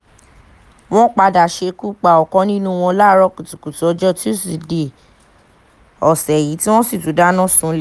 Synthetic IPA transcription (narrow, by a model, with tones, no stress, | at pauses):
w̃ɔ̃˦k͡pa˧da˨ʃe˧˦ku˦k͡pa˨ɔ˨kɔ̃˨˦nĩ˦nũ˦˧w̃ɔ̃˧la˦ɾɔ˧˦ku˨tu˨ku˨tu˨ɔ˨˦d͡ʒɔ˦˨ti˦˨si˨de˨ | ɔ˨sɛ˨ji˨˦ti˦w̃ɔ̃˦si˦˨tu˨˦da˦nã˦˨sũ˦l